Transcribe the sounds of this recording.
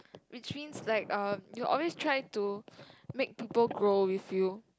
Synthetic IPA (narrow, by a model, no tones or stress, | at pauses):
wit͡ʃmĩnslaɪkʌ̃mjuʔɔ̰lwestʰɹaɪtumek̚piːpəlɡɹowifju